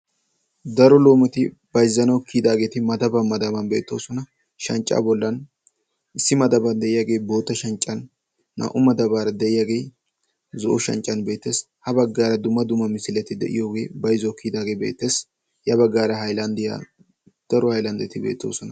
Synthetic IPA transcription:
d̪ɐɾɔlo̞ːmɛt̪ɪ | b̥ɐjɪzːɐnɐwkːid̪aːɡe̞ːt̪ɪmɐd̪ɐbɐnmɐd̪ɐbɐnbḛːt̪ːo̞̰ːsɔnɐ | ʃɐnt͡ʃʼːa̰ːbɔlːɐn | ɪsːɪmɐd̪ɐbɐnd̪ɛʔɪjaːɡe̞ːbo̞ːt̪ːɐʃɐnt͡ʃʼːɐnː | ɐ̰ʔʊmɐd̪ɐbaːɾɐd̪ɛʔɪjaːɡe̞j | zɔʔɔʃɐ̰nt͡ʃʼːɐnbe̞ːt̪ːe̞ːs | hɐbɐɡːaːɾɐd̪ʊmːɐd̪ʊmːɐmɪsɪlɛt̪ːɪd̪ɛ̰ʔɪ̰jo̞ːɡe̞ːbɐjɪzɔkːid̪aːɡeːbḛːt̪ːe̞ːs | jɐbɐɡːaːɾɐhɐjlɐnd̪ɪja̰ | d̪̥ɐɾɔhɐjlɐnd̪ɛt̪ɪbḛːt̪ːo̞̰ːsɔnɐ

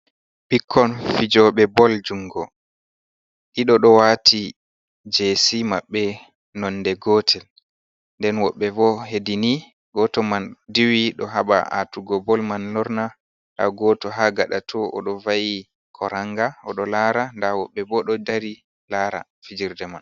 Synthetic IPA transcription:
ɓikʰːɔnfid͡ʒɔɓɛbɔld͡ʒuŋɡɔ | ɗiɗɔɗɔwatʰi | d͡ʒesimaɓːɛ | nɔnːdɛɡɔːtʰɛl | ndɛnwɔɓːɛbɔhedini | ɡɔtɔmandiwiɗɔɦaɓa̰a̰tuɡɔbɔlmanlɔɾna | ɗa̰ɡɔtɔɦaɡaɗatʰɔʔɔ̰ɗɔvaji | kʰɔɾaŋɡaɔɗɔlaːɾandawɔɓːɛbɔɗɔdaɾi | laɾa̰ | fid͡ʒiɾdɛman

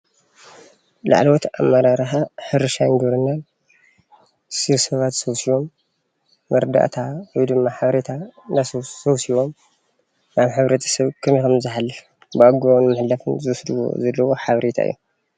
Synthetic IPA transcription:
la̰ʕlot̪amːɐɾaɾħaħɨɾɨʃaŋɡɐɾɨnːan | sɨβsɐβat̪soβsiwo̞mː | ɨɾd̪a̰ʔt̪ʰawɔjd̪ɨmːaħaβɾet̪ʰanassoβsiwo̞m | naβħɨβɾet̪ʰɐ̥sɐβkʰɨmikɐmzɨħalːɨf | bɨaɡonmɨħlːɐfɨnzɨsd̪wo̰zɐlːɐwoħaβɾʔet̪ʰa̰ʔɨ̰jːu

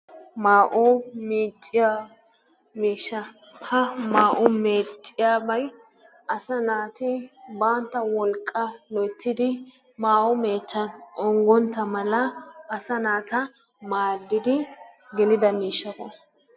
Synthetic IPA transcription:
maːʔomiːt͡ʃʼːɪja | miːʃːɐhɐmaːʔʊmeːt̪ʼːɪjaːbɐj | ɐsɐnaːt̪ɪbaːnt̪ːɐwɔlkʼːɐlɔt̪ːɪd̪ɪ | maːʔʊme̞ːt͡ʃːɐnɔŋɡɔnt̪ːɐmɐlɐɐsɐnaːt̪ɐ | maːd̪ːɪd̪ɪɡɛlɪd̪ɐmiːʃːɐkɔ

